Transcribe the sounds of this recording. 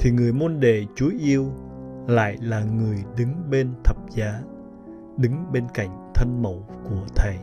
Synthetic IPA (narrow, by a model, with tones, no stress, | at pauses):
t̪ʰi˨˩ŋɨ˨˩əjmo˧nɗḛ˧˨t͡ɕu˨˦jʔi˧əwla̰ː˧˨jlaː˨˩ŋɨ˨˩əjɗɨ˨˦ŋɓe˧nt̪ʰə˨˩p̚zaː˨˦ | ɗɨ˨˦ŋɓe˧nka̰˧˨jŋ̟t̪ʰə˧nmə̰˧˨wku˧˩ət̪ʰə˨˩j